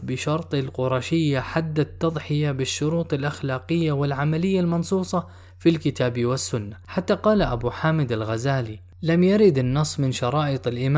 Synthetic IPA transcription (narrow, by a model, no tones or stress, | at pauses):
bɪʃɑɾˤt̪ˤɪlqʊɾˤɑːʃɪjːaħad̪ːat̪ːɑðˤħɪjabɪʃːʊɾuːt̪ˤɪlʔaxlaːqɪjːawɪlʕamalɪjːalmɑnsˤuːsˤɑ | filkɪt̪aːbiwɪsːʊnːaħat̪ːaqɑːlaʔabuːħaːmɪd̪alɣazaːli | lamjaɾɪd̪ɪnːɑsˤːmɪnʃɑɾˤɑːʔɪt̪ˤɪlʔɪm